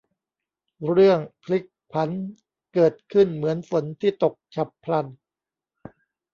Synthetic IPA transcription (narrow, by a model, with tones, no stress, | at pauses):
ɾɯ˥˩əŋkʰli˦˥k̚pʰa˩˦n | kɤː˨˩t̪̚kʰɯ˥˩nmɯ˩˦ənfo˩˦nt̪ʰiː˥˩t̪o˨˩k̚t͡ɕʰa˨˩pʰːla˧n